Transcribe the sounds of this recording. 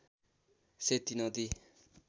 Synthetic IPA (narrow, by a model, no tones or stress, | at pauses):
set̪inod̪i